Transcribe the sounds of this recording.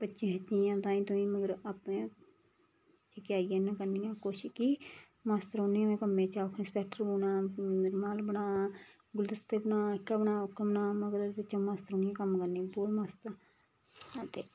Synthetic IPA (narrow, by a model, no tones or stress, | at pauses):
pətːt͡ʃĩːɦətːijãːt̪ãːĩːt̪ʊĩːməɡəɾaːpnẽː | t͡ʃəkjaːijẽːnəkəɾniːnãːkoːʃkiː | maːst̪əɾɦoːniãmẽːkəmẽːt͡ʃaːkʰnẽːspɛːk̚ʈəɾoːnãːnɪɾmaːlbənaː | ɡʊld̪əst̪eːbənaːkːaːbənaːʊkːəbənaːməɡəɾbət͡ʃãmaːst̪əɾɦoːniãːkəmkəɾniːpuːɾmaːst̪əɾ | aːt̪eː